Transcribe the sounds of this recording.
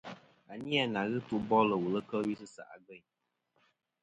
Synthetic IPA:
a˨ni˦a˨na˨ɣɨ˦tu˦bɔ˦lə˨wu˨lə˦kə˦wi˦sɨ˦sa̰˨ʔa̰˨ɡə˦˨ɲ

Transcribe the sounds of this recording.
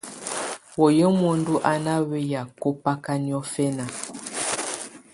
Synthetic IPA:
wo˨je˦mo˦n˦du˦ʔa˦na˦we˦ja˨ko˦pa˦ka˦ni˦ɔ˦fɛ˦na˨

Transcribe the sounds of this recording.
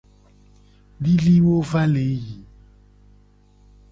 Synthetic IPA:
ɖi˦li˦wo˦va˦le˨˦ji˨

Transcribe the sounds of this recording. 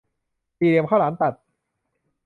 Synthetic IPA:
siː˨˩li˧əmkʰaː˥˩laː˩˦nt̪a˨˩t̪̚

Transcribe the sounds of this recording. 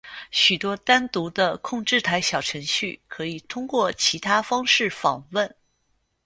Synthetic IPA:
ɕy˨˩t̪wɔ˥t̪a˥nt̪u˧˥d̪ə˧kʰʊ˥˧ŋʈ͡ʂɻ̩˥˩t̪ʰa˧˥ɪɕjɑ˨˩ʊʈ͡ʂʰɤ˧˥ŋɕy˥˩kʰɤ˧˥i˨˩t̪ʰʊ˥ŋkwɔ˥˩t͡ɕʰi˧˥t̪ʰa˥fɑ˥ŋʂɻ̩˥˩fɑ˨˩ŋwə˥˩n

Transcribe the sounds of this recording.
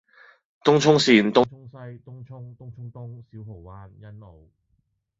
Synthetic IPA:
t̪ʊ˥ŋt͡ʃʰʊ˥ŋsiː˨˧nt̪ʊ˥ʊ˥ŋsɐ˥jt̪ʊ˥ŋt͡ʃʰʊ˥ŋt̪ʊ˥ŋt͡ʃʰʊ˥ŋt̪ʊ˥ŋsiː˨˥wɦo˨˩wwaː˧njɐ˥nlo˨˩w

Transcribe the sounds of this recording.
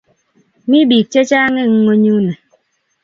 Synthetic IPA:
mi˦biː˨k̚t͡ʃe˦t͡ʃaː˦ŋe˦ŋ̩˦ŋo˦ɲu˦nɛ˨

